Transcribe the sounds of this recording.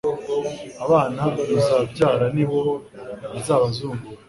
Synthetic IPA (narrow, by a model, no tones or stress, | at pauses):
aβaːnahaɡaɾuzabɟaːɾaniβoizaːβazuːŋɡuɾa